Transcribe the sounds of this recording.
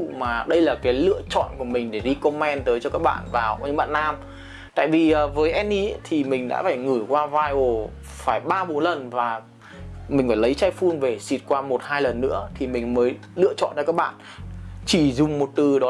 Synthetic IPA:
maː˨˩ɗə˧jlaː˨˩kaː˨˦jlɨ̰˧˨ət͡ɕɔ̰˧˨nku˧˩əmï˨˩ŋ̟ɗe˧˩ɗi˧ko˧mɛ˧nt̪əː˨˦jt͡ɕɔ˧kaː˦˥k̚ɓa̰ː˧˨nvaː˨˩˨ɲɨ˧˥ŋɓa̰ː˧˨nːaː˧m | t̪a̰ː˧˨jvi˨˩ʔəː˨˩vəː˨˦jʔɛ˧nːi˧˦t̪ʰi˨˩mï˨˩ŋ̟ɗa̰ː˧˥faː˧˩jŋɨ˧˩jkwaː˧vaː˧jʔo˧˩ | faː˧˩jɓaː˧ɓo˨˦nlə˨˩nvaː˨˩ | mï˨˩ŋ̟faː˧˩jlə˨˦jt͡ɕaː˧jfu˧nve˨˩si˨˩t̚kwaː˧mo˨˩t̚haː˧jlə˨˩nːɨ̰˧˥ət̪ʰi˨˩mï˨˩ŋ̟məː˨˦j | lɨ̰˧˨ət͡ɕɔ̰˧˨nt͡ɕɔ˧kaː˦˥k̚ɓa̰ː˧˨n | t͡ɕi˧˩zʊ˨˩ŋ͡mmo˨˩t̚t̪ɨ˨˩ɗɔ˨˦

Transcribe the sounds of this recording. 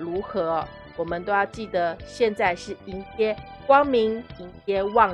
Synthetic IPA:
ɻu˧˥xɤ˧˦ | wɔ˨˩mə˦nt̪o˥ʊjɑ˥˧ʊt͡ɕi˥˩d̪ə˩ɕjɛ˥˧nt͡sa˥˧ɪʂɻ̩˥˩i˧˥nt̪ʰjɛ˥ | kwɑ˥ŋmi˧˥ŋi˧˥ŋt̪jɛ˥wɑ˥˩ŋ

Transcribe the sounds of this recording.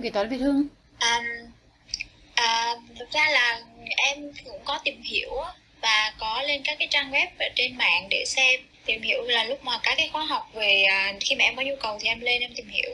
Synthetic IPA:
i˨˩t̪waː˧˦vi˧˩t̪ʰɨ˧əŋ | ʔəː˨˩m | ʔəː˨˩t̪ʰɨ˨˩k̚zaː˧laː˨˩ʔɛ˧mkʊ̰˧˥ŋ͡mkɔ˨˦t̪i˨˩mhḭ˧˩˨əw | vaː˨˩kɔ˨˦le˧nkaː˦˥kːaː˨˦jt͡ɕaː˧ŋɣɛ˦˥p̚vəː˨˩t͡ɕe˧nma̰ː˧˨nɗe˧˩sɛ˧m | t̪i˨˩mhi˧˩əwlaː˨˩lʊ˦˥k͡p̚maː˨˩kaː˦˥kːaː˨˦jxwaː˨˦ɦa˨˩wk͡p̚ve˨˩ʔəː˨˩xi˧maː˨˩ʔɛ˧mkɔ˨˦ɲu˧kə˨˩wt̪ʰi˨˩ʔɛ˧mle˧nʔɛ˧mt̪i˨˩mhḭ˧˩˨əw

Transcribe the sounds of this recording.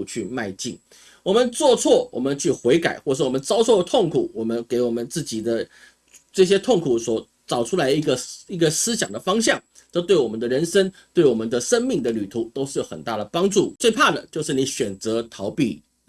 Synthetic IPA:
t͡ɕʰy˥˨ma˥˧ɪt͡ɕḭ˥˩n | wɔ˨˩mə˦nt͡swɔ˥˧t͡sʰwɔ˥˩wɔ̰˨˩mə˦nt͡ɕʰy˥˩xwe˧˥ɪka˨˩ɪxwɔ˥˩ʂ̩˥˩wɔ˨˩mə˦nt͡sɑ˥ʊt͡sʰo˥˩ʊə˧t̪ʰo˥˩ŋkʰu˨˩˦wɔ˨˩mə˦nke˧˥ɪwɔ˨˩mə˦nt͡sɹ̩˥˩t͡ɕi˨˩d̪ə˦ | ʈ͡ʂɤ˥˩ɕ̬jɛ˥t̪ʰo˥˩ŋkʰu˨˩swɔ˧˥ | t͡sɑ˨˩ʊʈ͡ʂʰu˥la˧ɪi˧˥ɡə˧i˧˥ɡə˨sɹ̩˥ɕ̬jɑ˨˩ŋd̪ə˦fɑ˥ŋɕ̬jɑ˥˩ŋ | t͡sɤ˥˧t̪we˥˩ɪwɔ˨˩mə˦nd̪ə˨ɻə˧˥nʂə˥ŋ | t̪we˥˩ɪwɔ˨˩mə˦nd̪ə˨ʂə˥nmi˥˩ŋd̪ə˩ly˨˩t̪ʰu˧˥˦t̪o˥ʊʂ̩˥˩˥jo˧˥ʊxə˨˩nt̪a̰˥˩ɾə˩pɑ˥ŋʈ͡ʂu˥˩t͡swe˥˧ɪpʰa˥˩d̪ə̰˨˩t͡ɕjo˥˧ʊʂɻ̩˥˩ni˧˥ɕɥɛ˨˩nt͡sɤ˧˥t̪ʰɑ˧˥ʊpḭ˥˩

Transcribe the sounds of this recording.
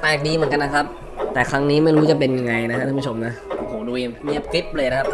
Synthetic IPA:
t̪aː˧˩k̚diː˧mɯ˩˦ŋka˧nːa˦˥kʰa˦˥p̚ | t̪ɛː˨˩kʰɾa˦˥ŋniː˦˥ma˥˩jɾuː˦˥t͡ɕa˨˩pe˧nja˧ŋa˧jna˦˥a˥t̪ʰːpu˦˥t͡ɕʰo˧˦mna˦˥ʔʔo˨˩hoː˨˩˦duː˧jmi˦˩əp̚kli˦˥p̚lɤː˧jna˦˥kʰa˥

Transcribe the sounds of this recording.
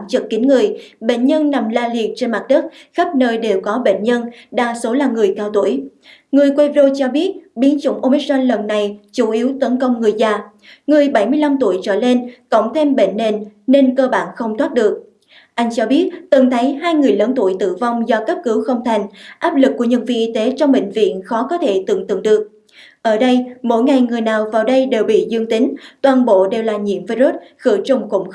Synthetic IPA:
mt͡ɕɨ˨˩k̚kːï˨˦ŋŋɨ˨˩əjɓḛ˧˨nɲə˧nna˨˩mlaː˧li˨˩ət̚t͡ɕe˧nma˨˩t̚ɗɨ˦˥t̚xa˦˥p̚nəː˧jɗe˨˩wkɔ˨˦ɓḛ˧˨nɲə˧nɗa̰ː˧˩so˨˦laː˨˩ŋɨ˨˩əjkaː˧wt̪u˧˩əj | ŋɨ˨˩əjkwe˧vzo˧t͡ɕɔ˧ɓi˦˥ət̚ɓi˨˦ənt͡ɕʊ̰˧˩ŋ͡mʔo˧mi˦˥t̚ɗɔ˧nlə˨˩nːa˨˩jt͡ɕu˧˩ʔi˨˦wt̪ə˨˦nkə˧wŋ͡mŋɨ˨˩əjzaː˧˩ | ŋɨ˨˩əjɓa˧˩jmɨ˧əjla˧mt̪u˧˩əjt͡ɕə̰ː˧˩le˧nkə̰˧˨wŋ͡mt̪ʰe˧mɓḛ˧˨nːe˧˩nne˧nkəː˧ɓaː˧˩nxə˧wŋ͡mt̪ʰwaː˦˥t̚ɗɨ˨˩ək̚ | ʔa˧jŋ̟t͡ɕɔ˧ɓi˦˥ət̚t̪ɨ˨˩ŋt̪ʰə˨˦jɦaː˧jŋɨ˨˩əjləː˨˦nt̪u˧˩əjt̪ɨ̰˧˨va˧wŋ͡mzɔ˧kə˦˥p̚kɨ˨˦wxə˧wŋ͡mt̪ʰa˨˩jŋ̟ʔaː˦˥p̚lɨ˨˩k̚ːu˧˩əɲə˧˩nvḭ˧˨ʔi˧t̪e˨˦t͡ɕɔ˧wŋ͡mɓḛ˧˨ŋ̟vḭ˧˨ənxɔ˨˦kɔ˨˦t̪ʰe˧˩t̪ɨ̰˧˨əŋt̪ɨ̰˧˨əŋɗɨ˨˩ək̚ | ʔəː˧˩ɗə˧jmo̰˧˥˨jŋa˨˩jŋɨ˨˩əjnaː˨˩wvaː˨˩wɗə˧jɗe˨˩wɓḭ˧˨zɨ˧əŋt̪ï˨˦ŋ̟t̪waː˨˩nɓo̰˧˨ɗe˨˩wlaː˨˩ɲḭ˧˨əmvi˧ɾo˦˥t̚xɨ˧˩t͡ɕʊ˨˩ŋ͡mkʊ̰˧˩wŋ͡m

